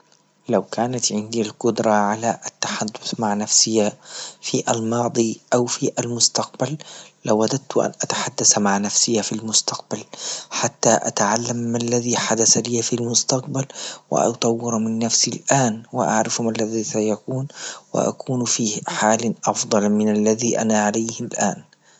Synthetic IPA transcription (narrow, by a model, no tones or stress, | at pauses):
lawkaːnat̪ʕɪnd̪ilqʊd̪ɾˤɑʕalaʔat̪ːaħad̪ːʊθmaʕnafsɪjafiʔalmɑːd̪ˤiʔawfiʔalmʊst̪aq̚balːawːad̪ad̪̚t̪ʊʔa̰nʔat̪aħad̪ːasmaʕnafsɪjafilmʊst̪aq̚balħat̪ːaʔa̰t̪ʕalːamːalːaðiːħad̪asaliːfilmʊst̪aq̚balwɪ̰ʔɑ̰t̪ˤɑwːɪɾmɪnːafsilʔaːnwɪʔa̰ʕɾɪfmalːaðisajakuːnwɪ̰ʔa̰kuːnfiːħaːlʔɑfd̪ˤɑlmɪnalːaðiːʔa̰naʕalajhɪlʔaːn